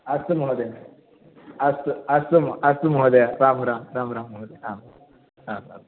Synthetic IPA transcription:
ɐsɨmɦod̪e | ɐsɐsumɐsmɦod̪eɾaːmɾaːmɾaːmɾamɦod̪eɾaːma | ɾaːma̰m

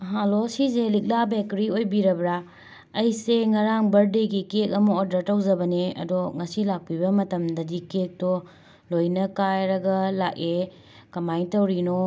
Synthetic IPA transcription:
ɦãlosizelik̚labekɾiojbiɾɐbɾa | ɐjseŋɐɾaŋbɐɾdeɡikek̚ɐmɐːdɾɐɾtɐwzɐbɐneɐ̰doŋɐsilak̚pibɐmɐtɐmdɐdikek̚to | lojnɐkajɾɐɡɐlak̚e | kɐmajtɐwɾino

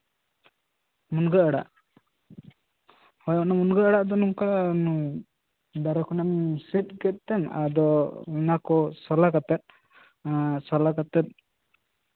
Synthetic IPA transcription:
munɡəaɽa̰ʔ | hɔjɔʔnamunɡəaɽaʔd̪ɔnuŋkan | d̪aɾakɔnɛmsit̪̚ˀɡɛt̪̚t̪ɛma̰d̪ɔɛnakɔsalakat̪ɛt̪̚ | salakat̪ɛt̪̚

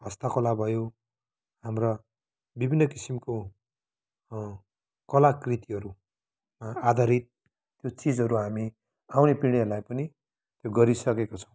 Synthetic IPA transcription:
ɦʌst̪akolabʱʌjo | ɦamrʌ | bibʱinːʌkisimko | kʌlakrit̪iɦʌɾu | maad̪ʱaɾit̪̚ː | jot͡sid͡zɦʌɾuɦami | awnepiɽ̃eʌlajpʌni | t̪joɡʌɾisʌkekot͡sʰʌ̥̃w̃

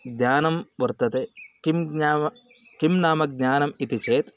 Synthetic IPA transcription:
ɡɲaːnɐmʋɐɾt̪ɐt̪ekimɡɲaːmɐ | kimnaːmɐɡ̚ɲaːnɐmit̪it͡ʃeːt̪

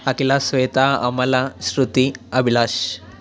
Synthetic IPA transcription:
akilasʋejt̪aamalasɾut̪iabʱilaɕ

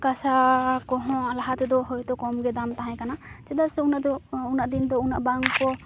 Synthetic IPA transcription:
kasakɔɦɔ̃alaɦat̪ɛd̪ɔɦɔjt̪ɔkɔmɡɛd̪amt̪aɦãj̃kanat͡ʃɛd̪asɛunaʔd̪ɔunaʔd̪ind̪ɔunaʔbaŋkɔ

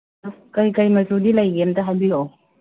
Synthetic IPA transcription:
kɐjkɐjmɐzudilɐjɡemtɐɦajbio

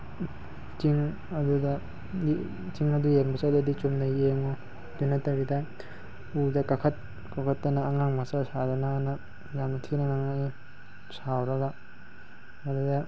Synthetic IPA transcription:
t͡ʃiŋ | ɐdudɐ | t͡ʃiŋɐdujenmbɐsawdɐdit͡ʃumdɐjeŋo | d̥unɐtɐɾidɐ | udɐkakʰɐt̚ | kakʰɐtːɐnɐːŋaŋmasasadanaːnɐ | jamnɐtʰinaŋaŋae | sawɾɐɡa | mɐdudɐ

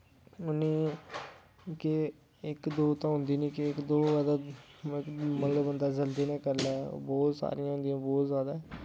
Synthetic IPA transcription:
ʊneː | kɪ | ɪkd̪oːt̪ãːɦʊnd̪iːnĩːkɪɪkd̪oːzaːd̪aːɪkməŋɡbənd̪aːd͡ʒəld̪iːnãːkəɾlɛ̰ːbɔːt̪sa̰ːɾijãːɦʊ̃nd̪ijãːbɔːt̪zjaːd̪aːɛ

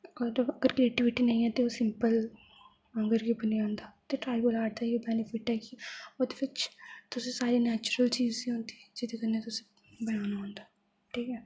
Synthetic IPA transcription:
əɾəɡəɾkɾeːʈɪʋɪʈiːnəĩːɛːt̪eoːsɪmpəl | ə̃ŋɡəɾɡibəniãːnd̪aːt̪eːʈɾaːɪbəlaːɽd̪aːioːbɛːnifɪʈɛːkioːd̪epɪt͡ʃt̪ʊsẽːsaːɾiːnɛːt͡ʃɾəlt͡ʃiːziɦõnd̪i̥ːd͡ʒɪd̪eːkənːeːt̪ʊse̥ | bəjaːnãːnd̪aː | ʈʰiːkɛː

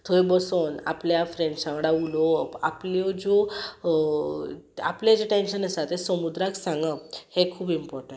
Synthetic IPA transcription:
t̪ʰoebəsona̰pljafɾẽɳɖsãʋɽaulɔaplɔd͡zɔ | a̰pljad͡ʑeʈenɕənəsat̪esəmud̪ɾaksãŋɡəhekʰuːpimpɔɾʈə̃ɳ

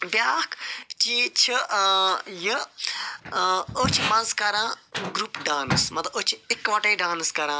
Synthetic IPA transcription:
bʲjaːkʰt͡ʃiːt͡ʃʰi | jə | oːt͡ʃʰimɐnzkɐɾãːɡɾuːpɖaːnɨsmɐt̪lɐoːt͡ʃʰiekʋɐʈẽːɖaːnskɐɾãː

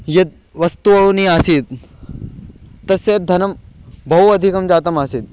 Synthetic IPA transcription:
jɐt̪̚ | ʋɐst̪uɐʋniaːsit̪̚ | ɐset̪̚d̪ʱɐnɐmbʱɐwɐd̪ʱikɐmd͡ʒaːt̪̬ɐmaːsit̪̚

